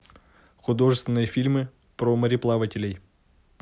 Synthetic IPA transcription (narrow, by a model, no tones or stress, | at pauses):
xʊd̪o̞ʐɨst̪ʲɪnːɨjəfʲilʲmɨ | pɾoməɾʲɪplˠavətʲɪlʲɪj